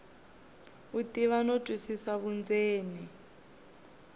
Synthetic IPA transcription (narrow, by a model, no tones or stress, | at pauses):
utiβanotʼwisisaβund͡zeːni